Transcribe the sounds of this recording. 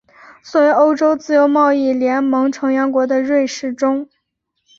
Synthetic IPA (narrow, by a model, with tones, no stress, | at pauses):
swɔ˧˥we˧˥o˥ʊʈ͡ʂo˥ʊt͡sɹ̩˥˩jo˧˥ʊmɑ˥˧ʊi˥˩ljɛ˧˥nmɤ˧˥ŋʈ͡ʂʰɤ˧˥ŋɥɑ˧˥nkwɔ˧˥d̪ə˧ɻwe˥˧ɪʂɻ̩˥˩ʈ͡ʂʊ˥ŋ